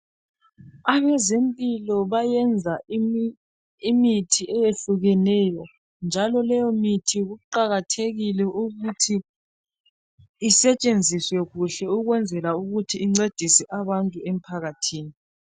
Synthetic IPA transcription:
aβɛzempʼilɔβajɛnd͡zʱa | imitʰiʔɛjeɬuɣɛnɛjɔ | nd͡ʒʱalɔlɛjɔmitʰiɣuǃaɣatʰeɣilɛʔuɣutʰi | sɛt͡ʃʼend͡zʱiswɛɣuɬɛuɣwɛnd͡zʱɛlauɣutʰiːŋ͡ǀed̥ʱisɛʔaβantʼuem̩pʰaɣatʰiːni

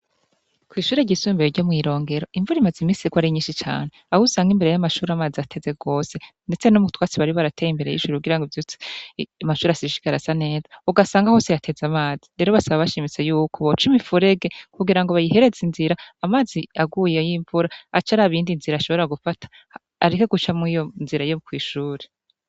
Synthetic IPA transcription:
kwiːʃuːɾeɟisuːmbeɾoɟomŋiːɾo̞ːŋɡe̞ɾo̞iɱvuɾimazimiːsiɡwaɾiɲiːnʃit͡ʃa̰ːne̞ahusaːŋɡimbeɾejamaʃuːɾamaːziatʰe̞ze̞ɡo̞ːse̞nde̞t͡se̞nomutwaːt͡siβaɾiβaɾatejimbe̞ɾe̞̰jḭʃuːɾiuɡiɾaŋɡivjut͡si̥amaʃuːɾeasiʃi̥ɡaɾazane̞ːzauɡasaːŋɡaho̞ːsejatʰe̞zamaːziɾe̞ːɾo̞βasaβaβaʃiːmit͡se̞juːkʰoβot͡ʃimifuɾe̞ɡe̞kuɡiɾaŋɡoβajihe̞ɾe̞zinziɾaamaːziaɡuːjejiɱvuɾaat͡ʃaɾaβiːndinziɾaʃo̞βo̞ɾaɡufatʰḁ | aɾekoɡut͡ʃamŋijonziɾaiokwiːʃuːɾe

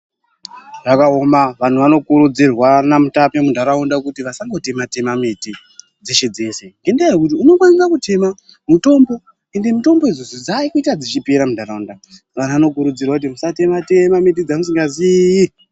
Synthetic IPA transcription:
ʐakao̞maʋan̤uʋano̞kuɾud͡zirwanamutapemudʱaɾaundakutiʋasaŋɡo̞te̞mate̞mameti | d͡zeʃe̞d͡ze̞se̞ŋɡe̞ndajekut̬iuno̞kwanisakute̞ma | muto̞mbo̞ | e̞nde̞muto̞mbo̞izo̞zod͡zaikuitad͡zit͡ʃipeɾamudʱaɾaunda | ʋan̤uʋano̞kuɾud͡zirwakutimusate̞mate̞mamet̬id͡zamus̬iŋɡazi

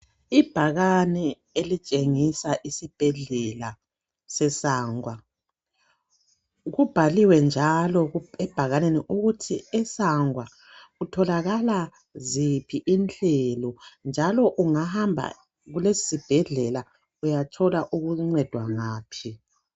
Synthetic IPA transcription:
ib̥ʱaɣanɛ | elit͡ʃʼeŋisaʔisib̥ʱɛɮɛla | sɛsaːŋwa | ɣub̥ʱaliwɛnd͡ʒʱalɔɣɛb̥ʱaɣaneniʔuɣutʰiɛsaŋwa | utʰɔlaɣala | zipʰiʔint͡ɬɛlɔnd͡ʒʱalɔʔuŋahambʱa̰ | ɣulesi̥sib̥ʱɛɮɛla | ujatʰɔlaʔuɣuŋ͡ǀɛd̥ʱwaŋaːpʰi

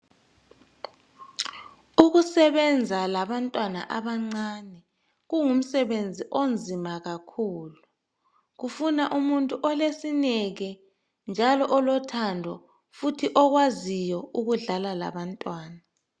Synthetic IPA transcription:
uɣusɛβɛnd͡zʱalaβantʼwana̰ʔaβaŋ͡ǀaːnɛ | ɣuŋum̩sɛβend͡zʱiʔond͡zʱimaɣakʰuːlu | ɣufunaʔumuntʼuʔɔlesinɛɣɛ | nd͡ʒʱalɔʔɔlɔtʰandʱɔ | futʰiʔɔɣwazijɔuɣuɮalala̰βantʼwaːna

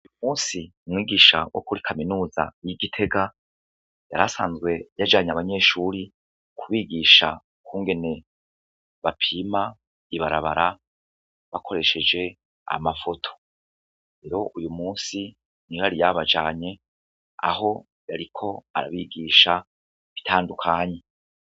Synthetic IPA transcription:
ujumuːnsiumŋiːɡiːʃawʔo̰kuɾikʰaminuːza̰jiɡitʰe̞ɡa | jaɾasaːnzɡwe̞jad͡ʒaːɲaβaɲe̞ːʃuːɾi | kʰuβiːɡiʃa | kuːŋɡe̞ne̞ | βapʰima | iβaɾaβa̰ɾa | βakʰo̞ɾe̞ʃe̞d͡ʒe̞ | a̰mafo̞tʰo̥ | ɾe̞ɾo̞ʔujumuːsi | niaɾijaβad͡ʒaːɲe̞ | a̰ho̞ | jaɾikʰo̞a̰ɾa̰βiɡiːʃa | βitʰaːndukʰaːɲe̞

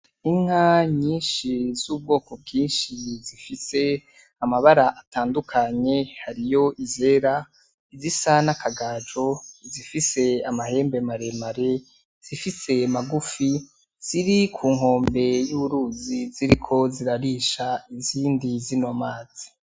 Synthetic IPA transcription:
iŋ̥haɲiːnʃizuːb̚ɡo̞ːko̞b̚ɡiːnʃizifise̞ | amaβaɾaʔataːndukʰaɲe̞haɾijo̞ʔize̞ːɾa | izisanakʰaɡad͡ʒo̞zifise̞amahe̞ːmbe̞maɾe̞maɾe̞ | z̥ifise̞maɡufi | z̥iɾikʰuːŋɦo̞ːmbe̞juuɾuːziziɾikʰo̞ziɾaɾiʃaiziːndizinomaːz̥i̥

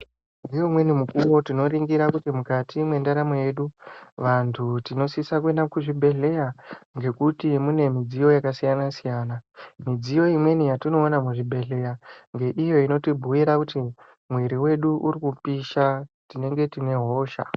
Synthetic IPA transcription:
ndijomwe̞nimukuwo̞tino̞ɾiŋɡiɾakutimukatimwe̞ndaɾamoje̞ɗuʋantʰutino̞sisak̬ue̞nakuʐibʱe̞ɮe̞jaŋɡe̞kutimune̞mid͡zijo̞jakasijanasijaːnamid͡zijo̞imwe̞nijatino̞ːnamuʐibʱe̞ɮe̞jaŋɡe̞ʔijo̞ino̞tibʱuwiɾakuti | mwiɾiwe̞ɗuʔuɾikupiʃatine̞ŋɡe̞tine̞ɦo̞ːʃa̰

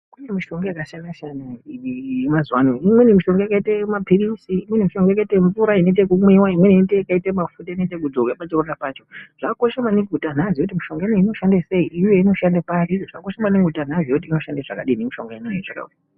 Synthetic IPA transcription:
kujemiʃo̞ŋɡajakaʃandaʃanuimazwanoimwenimiʃo̞ŋɡaakaitemapirisiːmwenimiʃo̞ŋɡajakaiteɱvuɾainet̬ekumwiwaimweninetekaitemafutainet̬ek̬ud͡zoɡapat͡ʃerurarapat͡ʃo̞ʐ̥ako̞ʃamaniɡʱutan̤azijout̬imiʃo̞ŋɡaeneino̞ʃandese̞iʔːje̞ino̞ʃandapariʐakoʃamaniŋɡʱutan̤aʐioutiːno̞ʃandaʐa̰kaɗinemiʃo̞ŋɡaeneeʐaka̰ṵti

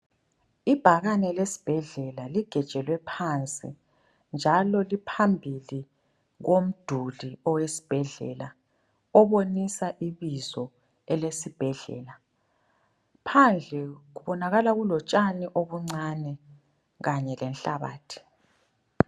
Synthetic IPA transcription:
ib̥ʱaɣanɛlesi̥b̥ʱɛɮɛlaliɡ̥ʱɛ̥t͡ʃʼɛlwɛpʰant͡sʼḭ | nd͡ʒʱalɔlipʰambʱili | ɣom̩d̥ʱuliɔwesi̥b̥ʱɛɮɛ̰la | ɔβonisaʔiβizɔ | ɛlesib̥ʱɛɮɛ̰ːla | pʰand͡ɮʱɛɣuβɔnaɣalaɣulɔt͡ʃʼaniʔoβuŋ͡ǀanɛ | ɣaɲɛlɛnɬaβa̰ːtʰi̥

